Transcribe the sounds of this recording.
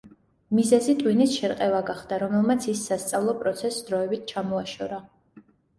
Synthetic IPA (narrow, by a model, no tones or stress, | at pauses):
mizɛzit̪ʼwinisʃɛɾqʼɛvaɡaχd̪̥aɾɔmɛlˠmat̪sʰisːast̪sʼavlˠɔpʼɾɔt̪sʰɛsːd̪ɾɔɛbit̪̚ʰt͡ʃʰamɔaʃɔɾa